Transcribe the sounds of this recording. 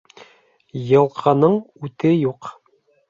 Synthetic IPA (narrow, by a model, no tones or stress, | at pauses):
jɤ̆lˠqʰɤ̆nɤɴʉt̪ɘjuq